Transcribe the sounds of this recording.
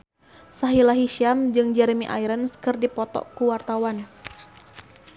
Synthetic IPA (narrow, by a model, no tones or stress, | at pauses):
saɦilaɦiʃiamd͡ʒɨŋd͡ʒɛɾemḭʔa̰iɾənskɨrdipɔt̪ɔ̰kuwart̪awan